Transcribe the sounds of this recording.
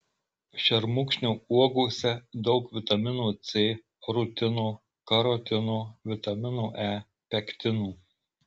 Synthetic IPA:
ʃʲɛɾmʊkʃʲnʲuːuɔɡuːsʲɛd̪ɒʊkʋʲɪt̪ɐmʲɪnuːt̪sʲeː | ɾʊt̪ʲɪnuː | kɐɾɔt̪ʲɪnoːʋʲɪt̪ɐmʲɪnuːʔæː | pʲɛkʲt̪ʲɪnuː

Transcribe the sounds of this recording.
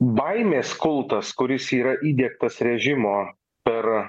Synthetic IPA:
bɐɪmʲeːskʊlˠt̪ɐskʊɾʲɪsiːɾɐʔiːd̪ʲiɛk̚t̪ɐsɾʲɛʒʲɪmoː | pʲɛɾ

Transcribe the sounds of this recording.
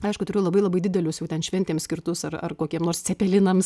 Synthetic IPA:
ɐɪʃkʊtʊɾʲeːjʊlˠɐbɐɪlˠɐbɐɪd̪ʲɪd̪ʲɛlʲʊsjɛʊtʲɛnʃʲʋʲɛnʲt̪ʲeːmsʲkʲɪrt̪ʊsɐrɐ̰rkoːkʲiɛmnoːɾst͡sʲɛpʲɛlʲɪnɐm

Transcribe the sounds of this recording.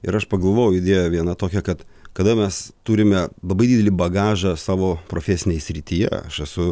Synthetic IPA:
ɪ̰ɾɐʃpɐɡɐlˠʋoːjɛʊɪd̪ʲeɛjoʋʲiɛnɐt̪oːkʲɛkɐt̪kɐd̪ɐmʲɛst̪uːɾʲɪmʲɛlˠɐbɐɪdʲid̪ʲɛlʲɪbɐɡɑːʒɐsɑːʋoːpɾoːfʲɛːsʲɪnʲeːjɛsʲɾʲɪt̪ʲijɛ̰ɐ̰ʃɛsʊ

